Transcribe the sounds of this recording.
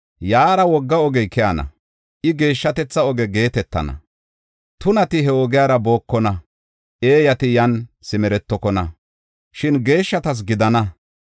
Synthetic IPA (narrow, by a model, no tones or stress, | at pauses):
jaːɾɐwɔɡːɐɔɡɛjkɛjɐnɐ̰ | ʔɪɡe̞ːʃːɐt̪ɛt͡sːɐɔɡɛɡe̞ːt̪ɛt̪ːɐ̰nɐ̰ | t̪ʊnɐt̪ɪɦɛɔɡɪjaːɾɐbo̞ːkːɔnɐ | ʔe̞ːjɐt̪ɪjɐnsɪmɛɾɛt̪ːɔkɔnɐ | ʃɪnɡe̞ːʃːɐt̪ɐs̬ɡɪd̪ɐnɐ